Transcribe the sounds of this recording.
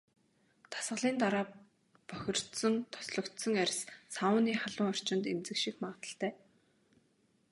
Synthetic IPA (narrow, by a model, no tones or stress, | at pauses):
t̪ʰḁsʁə̆ɮiːnt̪aɾaː | pœxʲɪ̆r̥t̪sɞ̆ŋt̪ʰɔ̥sɮɞ̆kt̪sɞ̆ŋærʲssawəːniːχaɮʊːŋɔr̥t͡ɕɪ̆nt̪emt͡sɘ̆kʃikmaːt̪ə̆ɬt̪æː